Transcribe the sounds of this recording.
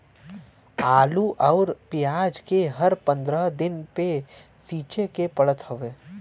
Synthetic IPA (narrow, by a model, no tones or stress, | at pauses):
aːluʔɔːɾpɪjaːd͡ʒkeɦɐɾpə̃nd̪ɾəɦd̪ɪnpe | siːt͡ʃekepɐɽət̪ɦoʋeː